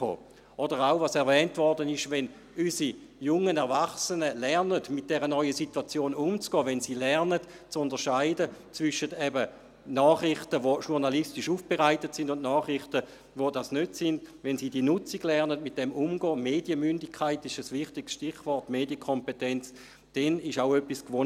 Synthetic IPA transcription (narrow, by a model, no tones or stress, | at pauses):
o̰ː | ɔdəʁaʊvɑsɛɐvɛːntvɔʁdənɪʃʋɛn | ysijʊŋːənɛɐvaχsənəlɛʁnədmɪt̚d̥ɛʁənɔʏəsituat͡sjoːnumt͡sɡ̥ɔːʋɛnsiːlɛʁnət | t͡sundəʁʃaɪdət͡svʏʃətɛbə | nɔːχrɪχtəʋoʃuʁnalistiʃuːfb̥eʁaɪtətsindʊntnɔːχʁɪχtə | vodɑsnøtsindʋɛnsiːdiːnʊt͡siɡ̥lɛʁnədmit̚d̥ɛmumɡɔːmeːdjəmyndɪkʰːaɪtɪʃəsʋɪχtɪɡ̥sʃtiχʋɔʁtmeːdjəkʰompetɛnt͡s | d̥ɛnɪʃaʊøpːiskʋo